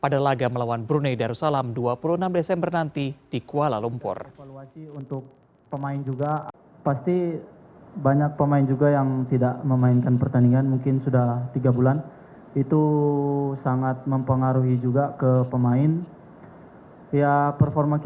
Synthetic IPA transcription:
padalaɡaməlawanbɾunedaɾusalamduapuluənamdesɛmbərnant̪id̥ikualalumpʊ̰rfaluasiunt̪ʊk̚ | pəmaɪnd͡ʒuɡa | past̪i | baɲak̚pəmaɪnd͡ʒuɡajaŋt̪idaʔməmainkanpərt̪aniŋanmuŋkɪnsudaht̪iɡabulan | it̪u | saŋat̪̚məmpəŋaɾuɦid͡ʒuɡakəpəmaɪn | japərfɔrma

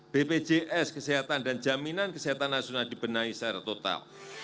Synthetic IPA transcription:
b̥eped͡ʒeʔɛskəsiɦat̪andand͡ʒaminankəsiɦat̪anːasionaldib̥ənaisɛrt̪ot̪a̰l

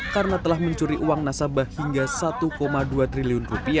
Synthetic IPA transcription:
karnat̪əlahməɲt͡ʃuɾiʔuwaŋnasabahhiŋɡasat̪ukomaduat̪ɾiliʊnrupia

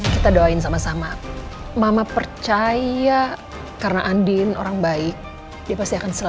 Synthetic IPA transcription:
kit̪adawaɪns̬amasamamamapərt͡ʃaja | karənaʔandɪno̰ɾaŋbaɪk̚ | diapast̪iakansəla

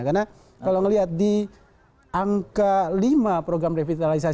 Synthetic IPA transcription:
karna | kkalawŋəliɦat̪̚di | aŋkalimapɾoɡɾamrefit̪alis̬a

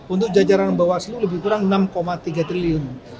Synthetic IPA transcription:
unt̪̬ʊk̚d͡ʒad͡ʒaɾanməmbawasəluləbɪhpuɾaŋnamkomat̪iɡat̪ɾiliʊn

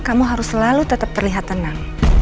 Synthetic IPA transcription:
kamuɦaɾʊsəlalut̪ət̪ap̚t̪ərliɦat̪ːənaŋ

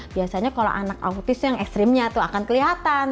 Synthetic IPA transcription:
biasaɲakala̰ʔanaka̰ut̪ɪsjaŋɛkst̪ɾɛmɲat̪uakankəliɦat̪an

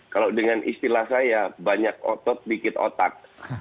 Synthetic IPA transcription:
kalawdəŋanʔḭst̪ilahsajabaɲak̚ɔ̰t̪ɔt̪̚bikɪt̪o̰t̪ak̚

